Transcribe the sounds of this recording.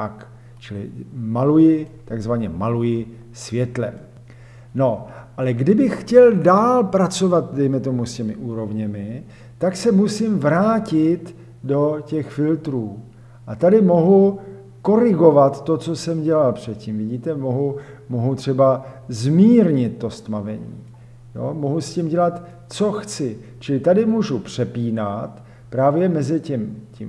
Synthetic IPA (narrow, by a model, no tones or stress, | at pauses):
ak | t͡ʃɪlɪ̰malujɪt̪aɡzvaɲɛmalujɪ | svjɛt̪lɛ̰ | no̞ʔalɛɡdɪbɪxxcɛldaːlpɾat͡so̞vat̪̚dɛjmɛt̪o̞muscɛmɪʔuːɾo̞vɲɛmɪ | t̪aksɛmusɪmvɾaːcɪt̪ | do̞cɛxfɪlt̪ɾuː | ʔat̪adɪmo̞ɦu | ko̞ɾɪɡo̞vat̪ːo̞t͡sosɛmɟɛlalpr̝̥ɛt̪cimvɪɟiːt̪ɛmoɦumoɦut̪r̝̥ɛbazmiːɾɲɪt̪ːo̞st̪mavɛ̰ɲḭː | jo̰moɦuscimɟɛlat̪ | t͡so̞xt͡sɪ | t͡ʃɪlɪt̪adɪmuʒupr̝̥ɛpiːnat̪ | pɾaːvjɛmɛzɪcɛmcḭm